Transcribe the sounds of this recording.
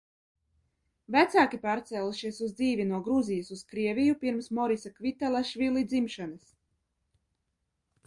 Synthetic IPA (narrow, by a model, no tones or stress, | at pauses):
væt̪saːkʲipaːɾt̪sɛːlˠuʃiɛsuzd̪ziːvʲinuɔɡɾuzijasuskɾiɛvʲijupiɾmsmɔɾisakvʲit̪alˠaʃvʲilˠid̪zimʃanɨs